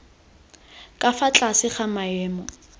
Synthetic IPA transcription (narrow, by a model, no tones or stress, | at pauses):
kʼafat͡ɬʼasɪχamaɛːmɔ